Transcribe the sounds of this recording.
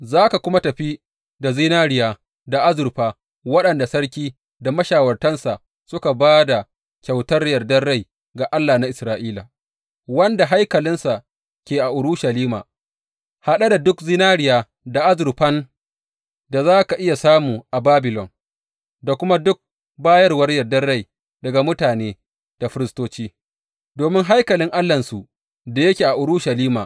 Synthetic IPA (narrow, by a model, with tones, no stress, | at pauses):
zaː˦ka˨kʷʊ˦ma˦tɐ˨ɸi˦ | da˨zi˦naː˦ɽɪ˨jaː˨ | da˨ʔa˦zʊ˨ɾɸaː˨ | wɐ˦ɗɐ˨nda˨sɐ˦ɽkʲiː˦ | da˨mɐ˦ʃaː˨wɐ˨rtɐ˦nsa˨ʔ | sʊ˦ka˨baː˦da˨ | kʲa˨wtɐ˦rjɐ˨rdɐː˦a˦˨j | ɡa˨ʔa˦lːaː˨na˦ʔɪ˨sɾaː˨ʔiː˦la̰ː˨ | wɐ˦nda˨ɦa˦jkɐ˨lɪ˦nsa˨ʔ | kʲeː˨ʔa˨ʔʊ˨ɾʊ˦ʃa˨liː˦ma̰ː˨ | ha˨ɗa˦da˨dʊ˦kzɪ˦naː˦ɾɪ˨jaː˨ | da˨ʔa˦zʊ˨ɾɸɐ˦n | da˨zaː˦ka˨ʔɪ˦ja˨saː˦muː˨ʔa˨baː˦bɪ˨lɔ˨n | da˨kʷʊ˦ma˦dʊ˦k̚ | baː˦jɐ˦rwɐ˦rjɐ˨rdɐ˦rːa˦˨j | dɐ˨ɡa˨mʊ˦taː˨neː˦ | d̥a˨ɸɪ˦ɾɪ˨stoː˦t͡ʃiː˦ | doː˨mɪ˦ŋɦa˦jkɐ˨lɪ˦ŋʔa˦lːɐ˨nsu˨ʔ | da˨jɐ˦kʲeː˨ʔa˨ʔʊ˨ɾʊ˦ʃa˨liː˦ma̰ː˨